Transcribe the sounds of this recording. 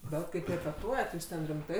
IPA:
ˈbʲɛt kɐɪp rʲɛpʲɛˈtuɔjɛt juːs ˈtʲɛn rʲɪmˈtɐɪ

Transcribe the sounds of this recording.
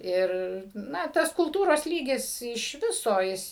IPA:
ˈɪr ˈnɐ ˈtɐs kʊlˠˈtuːroːs ˈlʲiːɡʲɪs ɪʃ ˈʋʲɪsoː ˈjɪs

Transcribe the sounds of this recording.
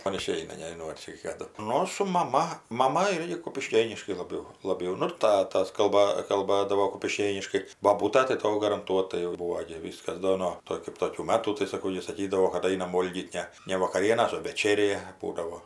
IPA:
ˈmɐn ɪˈʃʲɛɪnɐ nʲɛʒʲɪˈnɐʊ ɐr ˈt͡ʃʲɛ kɐˈdʊ ˈnʊ sʊ mɐˈmɐ mɐˈmɐ ˈɪrʲɡʲɪ kʊpʲɪˈʃʲkʲeːnʲɪʃkɐɪ lˠɐˈbʲɛʊ lˠɐˈbʲɛʊ ˈnʊ ɪr ˈtɑːtɐs kɐlˠˈbɐ kɐlˠˈbɑːdɐʋoː kʊpʲɪˈʃʲkʲeːnʲɪʃkɐɪ boːˈbuːtɐ tɐɪ ˈtoː ɡɐrɐnˈtuɔtɐɪ jɛʊ ˈbuːʋoː ɡʲɪ ˈʋʲiːskɐs ˈdoː noː ˈtoː kɜp ˈtoːkʲuː ˈmɑːtuː tɐɪ sɐˈkɐʊ ˈjɪ sɐˈkʲiːdɐʋoː kɐt ˈɐɪnɐm ˈʋoːlʲɡʲiːt ˈnʲɛ nʲɛ ʋɐkɐˈrʲiɛnɐs oː ʋʲɛˈt͡ʃʲæːrʲeː ˈbuːdɐʋoː

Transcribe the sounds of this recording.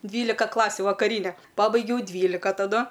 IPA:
ˈdʲʋʲiːlʲɪkɐ ˈklˠɑːsʲʊ ʋɐkɐˈrʲiːnʲɛ ˈpɑːbɐɪɡʲɛʊ ˈdʲʋʲiːlʲɪkɐ tɐˈdʊ

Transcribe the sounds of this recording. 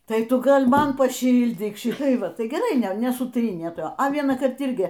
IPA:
ˈtɐɪ ˈtʊ ˈɡɐlˠ ˈmɐn pɐˈʃʲiːlʲdʲiːk ˈʃʲɪtɐɪ ˈʋɐ ˈtɐɪ ɡʲɛˈrɐɪ ˈnʲɛ nʲɛsʊˈtʲrʲiːnʲeː ˈtɐ ɐ ʋʲiɛnɑːˈkɐrt ˈɪrʲɡʲɪ

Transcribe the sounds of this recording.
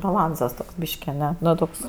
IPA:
bɐˈlˠɐnsɐs toːks ˈbʲiːʃʲkʲɪ ɐˈnʲɛ ˈnʊ ˈtoːks

